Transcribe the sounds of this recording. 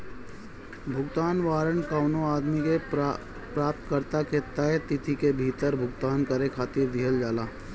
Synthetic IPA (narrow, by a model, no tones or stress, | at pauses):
bʱʊɡt̪aːnʋaːɾəɳkaʊnoaːd̪mike | pɾaːp̚t̪kəɾt̪aket̪əet̪ɪt̪ʰikebʱiːt̪əɾbʱʊɡt̪aːnkɐɾekʰaːt̪iːɾd̪iɦəld͡ʒaːlaː